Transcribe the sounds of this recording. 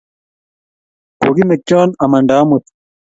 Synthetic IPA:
koɡimek̚t͡ʃaːnɐmɐɳɖaːmut̪

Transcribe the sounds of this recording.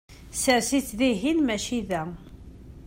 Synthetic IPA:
səɾsit͡sːðiɦinmæʃiðæ

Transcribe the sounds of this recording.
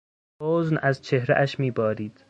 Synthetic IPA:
oːznæzt͡ʃʰe̞hɾḛʔæʃmiːbɒːɾiːd̪̥

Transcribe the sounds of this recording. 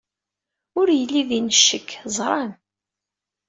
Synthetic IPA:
ʊɾjəlːiðinəʃːəkːzˤɾˤɑn

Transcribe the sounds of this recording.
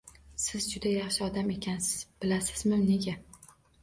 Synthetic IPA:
sɪzd͡ʒʊd̪ajɑχʃɪɒd̪ame̞kʲʰansɪz̥b̥ɪlasɪ̥zmɪmne̞ɡʲa

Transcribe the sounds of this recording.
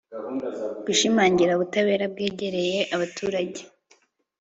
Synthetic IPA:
ɡ̥uʃimaːɲɟiɾaβutaβe̞ːɾab̚ɡeːɟe̞ɾe̞jeʔaβatʰuːɾaɟe̥

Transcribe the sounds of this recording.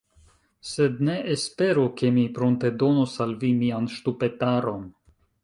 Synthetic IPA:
se̞d̪ne̞ʔespe̞ɾoke̞mipɾonte̞do̞nosalvimianʃtupe̞taɾo̞n

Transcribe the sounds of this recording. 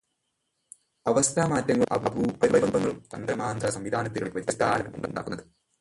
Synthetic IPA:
ɐʋɐst̪ʰaːmaːtːɐŋːɐɭʔɐ̰bɐbupɐɾibɐbɐmbɐŋːɐɭumt̪ɐ̰nd̪ɐɾɐmaːnd̪rɐsɐmʋid̪ʱaːnɐt̪ːiɾuɽeʋɐɾiɐst̪ʰːaːlɐmumuɳɖṵɳɖa̰ːkunːɐðɨ

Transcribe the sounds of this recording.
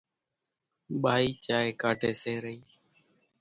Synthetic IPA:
ɓaːiːt͡ʃaːeːkaːʈeːseːɾəiː

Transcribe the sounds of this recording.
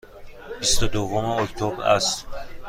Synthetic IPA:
bist̪ud̪ovɔmiɔkt̪ʰɔbɾa̰st̪

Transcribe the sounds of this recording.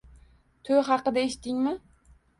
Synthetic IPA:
t̪ʰojɦɑqɨd̪aeʃt̪ːɪŋmɪ

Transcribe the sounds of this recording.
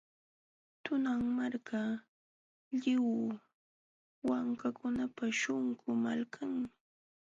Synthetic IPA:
t̪ʊnaŋmaɾka | ʎɪw | waŋkakʊnapaʃʊŋkʊmalkʰaŋmɪ

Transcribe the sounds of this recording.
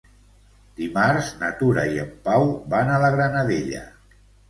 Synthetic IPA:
d̪̥imaɾznat̪uɾaiəmpawbanələɣɾanaðeʎə̰

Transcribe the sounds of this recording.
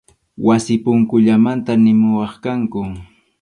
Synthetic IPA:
wasɪpʊŋkʊʎamant̪anɪmʊwɑχkaŋkʊ

